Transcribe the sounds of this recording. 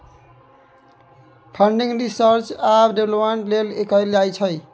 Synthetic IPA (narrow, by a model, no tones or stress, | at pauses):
pʰʌɳɖiŋɾisʌɾt͡ʃabɖeblopmeɳʈlelekʌjlajt͡ʃʰʌj